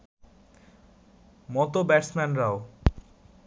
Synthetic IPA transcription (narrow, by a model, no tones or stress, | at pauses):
mɔt̪obɛʈsmɛnɾao